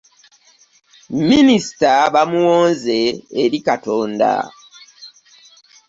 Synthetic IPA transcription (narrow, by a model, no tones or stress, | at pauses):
minisi̥taβamuwoːnze̞ːɾikatoːnda̰